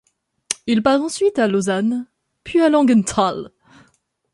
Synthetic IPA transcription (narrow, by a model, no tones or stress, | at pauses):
ilpaʁɑ̃sɥit̪alozan | pɥialɑ̃ɡɛnt̪ʰal